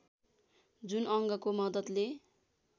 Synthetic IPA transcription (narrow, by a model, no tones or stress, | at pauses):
d͡zunʌŋɡʌkomʌd̪ʌt̪le